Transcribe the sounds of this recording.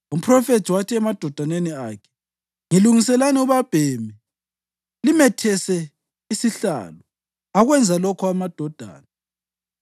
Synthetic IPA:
um̩pʰrɔfetʰiwatʰiɛmad̥ʱɔd̥ʱaneniaːkʰɛ̥ | ŋiluŋisɛlaniuβab̥ʱemi | limɛtʰɛsɛ | isiɬa̰ːlɔ | aɣwɛnd͡zʱalɔkʰɔamad̥ʱɔd̥ʱa̰ːna

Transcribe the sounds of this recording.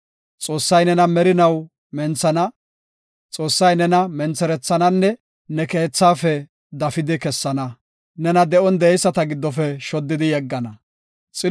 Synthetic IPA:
t͡sʼo̞ːsːɐjnɛnɐmɛɾɪnɐw | mɛnt͡sːɐnɐ | t͡sʼo̞ːsːɐjnɛnɐmɛnt͡sːɛɾɛt͡sːɐnɐnːɛ | nɛke̞ːt͡sːaːfɛ | d̪ɐfɪd̪ɪkɛsːɐnɐ | nɛnɐd̪ɛʔɔnd̪ɛɛjsːɐt̪ɐɡɪd̪ːɔfɛʃɔd̪ːɪd̪ɪjɛɡːɐnɐ | t͡sʼɪ

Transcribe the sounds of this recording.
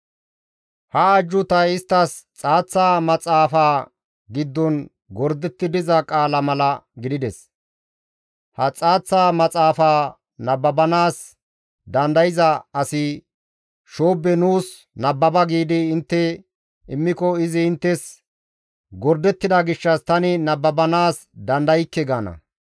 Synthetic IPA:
hɐːd͡ʒːʊt̪ɐjɪst̪ːɐst͡sʼaːt͡sːaːmɐt͡sʼaːfaː | ɡɪd̪ːɔn | ɡɔɾd̪ɛt̪ːɪd̪ɪzɐkʼaːlɐmɐlɐɡɪd̪ɪd̪ɛs | hɐt͡sʼaːt͡sːaːmɐt͡sʼaːfaː | nɐbːɐbɐnaːs | d̪ɐnd̪ɐjɪzɐɐsɪ | ʃoːbːɛnuːs | nɐbːɐbɐɡiːd̪ɪːnt̪ːɛ | ɪmːɪkɔɪzɪɪnt̪ːɛs | ɡɔɾd̪ɛt̪ːɪd̪ɐɡɪʃːɐst̪ɐnɪnɐbːɐbɐnaːs | d̪ɐnd̪ɐjkːɛɡaːnɐ̰

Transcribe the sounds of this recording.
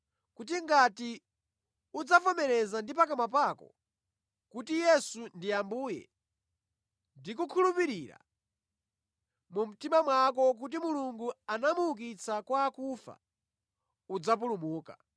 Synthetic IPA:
kut̬iŋɡati | ud͡zafɔmɛɾɛzandipakamap̬akɔ̰ | kutijɛsundijambuːjɛ̰ | ndik̬ukʰulupiɾiɾa̰ | mum̩timamwakɔk̬ut̬imuluŋɡuanamuuk̬it͡sʰakwaːkufa̰ | ud͡zap̬ulumuːka̰

